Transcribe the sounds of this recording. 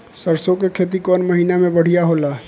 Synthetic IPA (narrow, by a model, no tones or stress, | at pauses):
səɾsõkekʰeːt̪̬ikɔːnmɐɦiːnamẽbəɽ̤ijaɦoːlaː